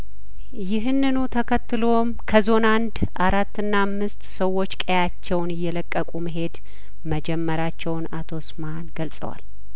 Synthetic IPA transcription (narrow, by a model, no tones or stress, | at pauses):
jɪɦɨnːɨnut̪ʰəkʰət̪ːɨlo̞mkʰəzo̞nand̪ | ʔaɾat̪ːɨnːaːmːɨst̪səwːo̞t͡ʃːkʼəjat͡ʃːɛwnɪjːɛləkʼːəkʼuməɦe̞d̪ | məd͡ʒɛmːəɾat͡ʃːɛwnat̪ʰo̞smanɡəlsʼə̰wa̰l